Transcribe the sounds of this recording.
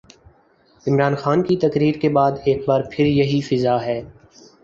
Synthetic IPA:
ɪmɾaːnxaːnkit̪ɐkɾiːɾkebaːd̪eːk̚baːɾpʰɪɾjɐɦifɪzaɦɛː

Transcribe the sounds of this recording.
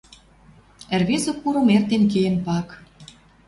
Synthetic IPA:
ə̆rβesŏkːuɾomert̪enk̬ejenpɑk

